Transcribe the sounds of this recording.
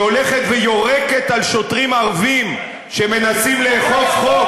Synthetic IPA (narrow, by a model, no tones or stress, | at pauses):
oleχe̞t̪vejo̞ʁeke̞t̪alʃo̞tʁimaʁvim | ʃeme̞nasimleːχofχo